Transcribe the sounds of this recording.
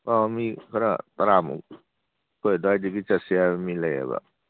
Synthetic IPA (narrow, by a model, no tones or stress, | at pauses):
ɔmikʰaɾa̰t̪aɾamṵ | kɔjdɔajdiɡit͡ʃasiamiləja̰ba̰